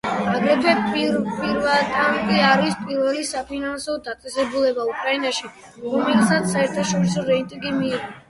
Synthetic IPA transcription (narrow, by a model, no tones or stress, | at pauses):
aɡɾɛpʰɛppʼiɾvɛlˠt̪ʼankʼiaɾispʼiɾvɛlisapʰinansɔd̪at̪sʼɛsɛbulɛbaukʼɾainaʃi | ɾɔmɛlsat̪sːaɛɾt̪ʰaʃɔɾisɔɾɛit̪ʼiɡimiːɔ